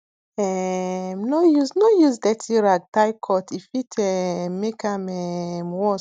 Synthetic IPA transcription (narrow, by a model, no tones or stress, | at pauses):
ɛmnojuznojuzdɛtiɹaɡ̚tajkʰɔtʰifitʰɛmekãmɛmwɔ